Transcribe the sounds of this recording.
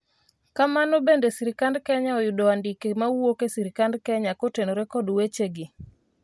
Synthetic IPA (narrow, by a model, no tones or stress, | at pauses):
kamanobendesiɾikandkɛɲaɔjʊdoandikemawwokesiɾikandkɛɲakotenoɾɛkɔdwet͡ʃeɡɪ